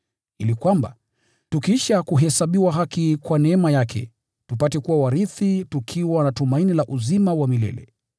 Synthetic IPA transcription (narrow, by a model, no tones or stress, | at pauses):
ilikwamba̰ | tukiʃakuɦɛsaɓiwaɦakikwanɛɛmajakʰɛ̰ | tupatɛkuwawaɾiθitukʰiwanatumainilaʔuzimawamilɛ̰lɛ̰